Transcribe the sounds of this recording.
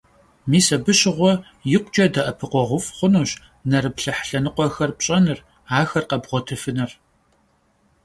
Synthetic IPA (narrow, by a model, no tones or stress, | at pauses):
miːsɐbɨɕɪʁʷɔ | jɪqʷt͡ʃʼɐdɐʔɐpʰɨqʷɔʁʷʊfχʷʊnuːɕ | nɐɾɨpɬɐħɬɐnɨqʷɔxɐrpɕʼɐnɨr | aːxɐrqɐbʁʷɔtʰɨfɨnɨr